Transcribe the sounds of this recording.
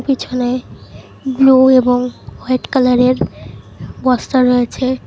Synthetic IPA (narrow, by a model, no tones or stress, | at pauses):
pit͡ɕʰone | blueboŋwajʈkalaɾeɾ | bɔst̪aɾːojet͡ɕʰe